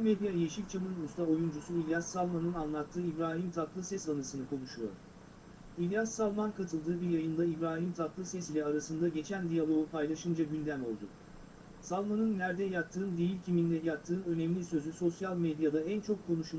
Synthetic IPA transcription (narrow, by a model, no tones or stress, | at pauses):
med̪ijajeʃikʲt͡ʃʰamɯnust̪ʰao̞jund͡ʒusuilʲjassalˠmanɯnanlˠat̪ʰːɯːibɾaːɦimt̪ʰat̪lˠɯsɛsanɯsɯnɯkʰo̞nˠuʃujo̰ɾ | ilʲjassalˠmankʰat̪ʰɯlˠd̪ɯːbiɾjajɯnd̪aibɾaːɦimt̪ʰat̪lˠɯsɛsilʲɛaɾasɯnd̪aɟe̞t͡ʃʰænd̪ijalˠo̞upʰajlˠaʃɯnd͡ʒaɟynd̪æmo̞̰lˠd̪u | salˠmanɯnːæɾd̪ɛjakt̪ʰːɯːnd̪ejilʲcʰimind̪ɛjakt̪ʰːɯːnø̞nɛmlʲisø̞zyso̞sjalʲmed̪ijad̪aænt͡ʃʰo̞kʰːo̞nuʃu